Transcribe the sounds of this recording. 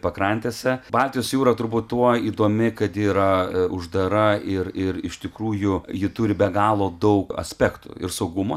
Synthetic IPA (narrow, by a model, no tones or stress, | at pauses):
pɐkɾɐnʲt̪ʲeːsʲɛbɑːlʲt̪ʲijoːsjuːɾɐt̪ʊɾbuːt̪t̪uɔiːd̪oːmʲɪkɐt̪jɪɾɐʊʒd̪ɐɾɐɪɾɪrɪ̰ʃt̪ʲɪkɾuːjʊjɪt̪ʊɾʲɪbʲɛɡɑːlˠoːd̪ɐʊkɐ̰sʲpʲæːkt̪ṵɪ̰rsɐʊɡʊmo